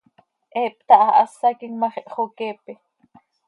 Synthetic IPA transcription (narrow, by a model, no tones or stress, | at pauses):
ʔɛːp̚t̪ɑʔɑʔɑsːɑkiŋmɑχiʔχoːkeːpi